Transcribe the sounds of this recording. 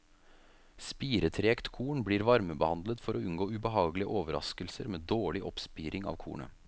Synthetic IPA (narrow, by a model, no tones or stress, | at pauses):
spiːɾət̪ʰɾeːkt̪kʰuːɳbliːɾʋɑɾməbəhɑnd̪lət̪fɔɾɔʉnɡoːʉbəɦɑːɡlɪəʔoːʋəɾɑ̰skəlsəɾmeːd̪oːɭɪʔɔpspiːɾɪŋɑ̰ːʋkʰṵːɳə̰